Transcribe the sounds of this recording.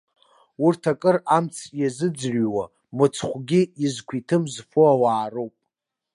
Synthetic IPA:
ʊrtʰakʼɨramt͡sʰjazɨd͡zrwa | mɨt͡sʰχʷɡʲɪizkʷʰitʰɨmzfuawaːrowpʼ

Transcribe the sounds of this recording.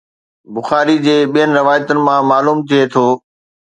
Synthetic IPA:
bʊxaːɾid͡ʑeːɓijənɪ̆ɾɪʋaːjət̪ʊnɪ̆mãmaːluːmt̪ʰiet̪ʰoː

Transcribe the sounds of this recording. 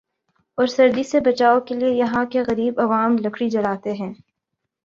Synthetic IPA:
ɔːɾsɐɾd̪isebɐt͡ʃaːokeliejɐɦãkeɣɐɾiːbɐʋaːmlɐkʰɽid͡ʒɐlaːt̪eɦɛ̃ː

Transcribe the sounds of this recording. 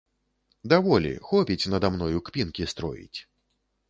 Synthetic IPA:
d̪avɔlʲḭxɔpʲit͡sʲnɐd̪amnɔjukpʲinkʲist̪ɾɔ̰jḭt͡sʲ

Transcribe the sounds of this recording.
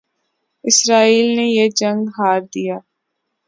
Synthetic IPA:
ɪsɾaːiːlnejed͡ʒə̃ŋɡɦaːɾd̪ijaː

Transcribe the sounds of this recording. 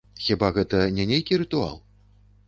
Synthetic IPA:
xʲibaɣɛt̪ɐnʲɛnʲejkʲiɾɨt̪ua̰lˠ

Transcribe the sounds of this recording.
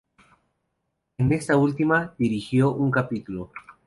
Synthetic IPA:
ene̞st̪ault̪imaðiɾixjoʔuŋkapit̪ulo

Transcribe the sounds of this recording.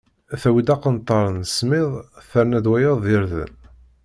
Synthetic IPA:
θæwid̪ɑqənt̪ˤːɑɾˤənsmɪðˤθəɾnæd̪wæjəðˤiɾðə̰n

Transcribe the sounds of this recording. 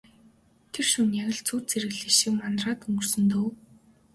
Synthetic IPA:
t̪ʰerʃunjaɣʲɪ̆ɮt͡suːt͡sʰeɾɘ̆ɣɮiːʃikmanraːt̪ɵŋɡɵ̆rsɵ̆nt̪oːw

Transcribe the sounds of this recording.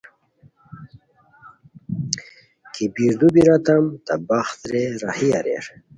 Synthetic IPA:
kʰibiɾd̪ubiɾat̪amt̪ɐbaxt̪ɾeɾahia̰ɾḛɾ

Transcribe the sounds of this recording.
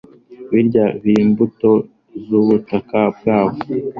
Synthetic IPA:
βiɾɟaβimbuto̞ | zuβutakab̚ɡaːβo

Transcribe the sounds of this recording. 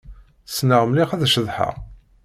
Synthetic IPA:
snəʁmliχæðæʃəðˤħa̰ʁ

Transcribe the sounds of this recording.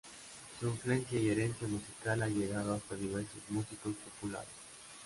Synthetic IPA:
suiɱflue̞nsjaie̞ɾensjamusikalaʎeɣaðoast̪aðiβeɾsozmusikospopula̰ɾes

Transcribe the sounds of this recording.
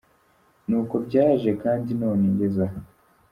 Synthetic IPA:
nuːko̞bɟaːʒe̞kaːndino̞ːneɲɟe̞zaɦa

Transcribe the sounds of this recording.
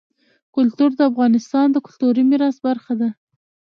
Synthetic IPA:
kʊlt̪uɾd̪əafɣɑnɪst̪ɑnd̪əkʊlt̪uɾimiɾɑsbaɾxad̪a

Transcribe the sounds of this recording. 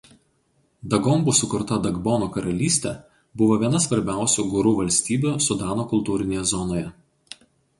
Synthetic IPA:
d̪ɐɡɔmbʊsʊkʊɾt̪ɐd̪ɐɡbɔnoːkɐɾɐlʲiːsʲt̪ʲɛ | bʊʋoːʋʲiɛnɐsʋɐɾʲbʲæˑʊsʲuːɡʊɾuːʋɐlʲsʲt̪ʲiːbʲuːsʊd̪ɑːnoːkʊlˠt̪uːɾʲɪnʲeːjɛzɔnoːjɛ

